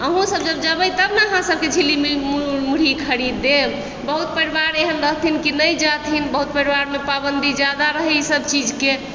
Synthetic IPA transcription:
əɦũsəb̚d͡ʒəb̚d͡ʒəbəjt̪əbnəɦãsəb̚ket͡ʃʰilimimumuɽ̤ikʰəɾid̪ːeb | bəɦut̪̚pəɾibaɾeɦənɾəɦt̪ʰinkinəjd͡ʒat̪ʰɦinbəɦut̪̚pəɾibaɾmepabənd̪ʱid͡ʒad̪aɾəɦɛsəbt͡ʃid͡ʒke

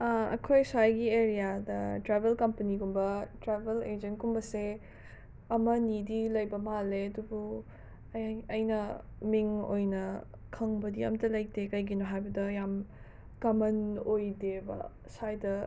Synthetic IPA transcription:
ɐɐ̰kʰojsajɡieɾijadɐtɾebʱelkɐmpɐniɡumbɐtɾebeled͡ʒɐnkumbɐse | ɐmɐnidilɐjbɐmaleɐdubu | ɐjnɐ | miŋo̰jnɐ | kʰɐŋbɐdiɐ̰mtɐlɐj̚tekɐjɡinoɦajbɐdɐjam | kɐmɐnojdebɐ̰ | sajdɐ

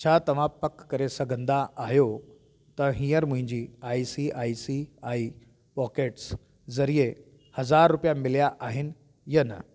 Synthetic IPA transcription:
t͡ɕʰat̪əʋ̤apəkːəɾesəɡənd̪aʔːɦjo | t̪əɦĩjəɾmuĩɲd͡ʑiːaisiʔaisiai | pɔkeʈs | d͡zəɾije | həd͡zaɾːupjamiljaʔaɦiːn | jəna̰

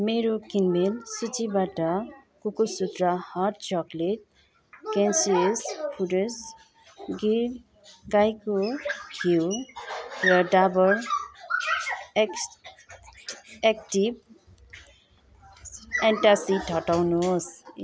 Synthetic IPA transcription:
meɾokinmelsut͡sibaʈʌkukusut̪ɾahaʈ̚t͡ʃɔkleʈ̚ | kensiespʰuɾes | ɡiɾ | ɡajkohiw | rʌɖabʌɾ | ek̚ʈib̚ | enʈasitʌʈawnus

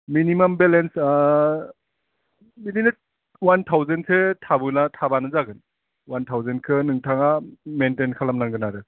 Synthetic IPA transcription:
minimɐmbelens | midile | wantʰawzensʰetʰabɯnatʰabanɯzaɡɯn | wantʰawzenkʰɯnɯŋtʰaŋamentenkʰalamnaŋɡɯnaɾɯ

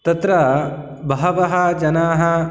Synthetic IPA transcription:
t̪ɐt̪ɾɐ | bɐɦɐʋɐɦɐd͡ʒɐnaːɦɐ

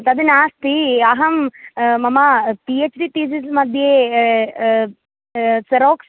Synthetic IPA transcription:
t̪ɐd̪inaːst̪iɐɦɐmmɐmɐpiet͡ʃɖiʈ̪iːsismɐd̪ʱje | sɐɾoːks

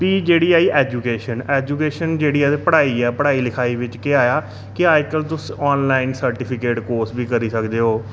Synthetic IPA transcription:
piːd͡ʒeːɽiːaːiːʔɛːd͡ʒuːkeːʃənɛːd͡ʒuːkeːʃənd͡ʒeːɽiːɛːepəɽaːiːɛːpəɽaːiːlɪkʰaːiːʋɪt͡ʃkeaːjaː | kɪaːjkəlt̪ʊsɔːnlaːɪnsəɾʈɪpʰɪkeːʈkoːsbiːkəɾiːsəkd̪eːɦoː

